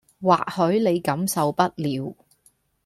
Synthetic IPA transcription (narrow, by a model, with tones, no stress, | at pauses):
wa̰ː˨k̚hɵ˨˥le˨˧jkɐ˨˥msɐ˨wpɐ˥t̚liː˨˧w